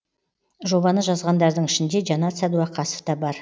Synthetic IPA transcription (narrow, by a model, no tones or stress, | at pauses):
ʒo̞bɑnəʒɑzʁɑnd̪ɑɾd̪əɴɪʃɪnd̪e̞ʒɑnɑt̪sæd̪uɑqʰɑso̥fd̪ɑbɑɾ